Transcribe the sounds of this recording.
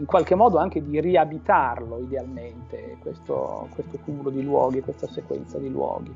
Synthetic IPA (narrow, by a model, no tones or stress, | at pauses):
iŋkwalk̟emːɔːd̪oaŋk̟ed̪iriabit̪arloid̪ealment̪ekwest̪o̰kwest̪okumulod̪ilwɔ̰ːɡikwest̪asekwɛ̰nt̪sad̪ilwɔ̰ːɡi